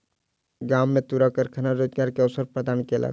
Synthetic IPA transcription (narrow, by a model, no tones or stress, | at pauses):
ɡaːmːẽt̪uːɾakəɾkʰɐnaɾed͡ʒ̪ɡaːɾkeɐʊsəɾpɾəd̪aːnkelʔa̰ː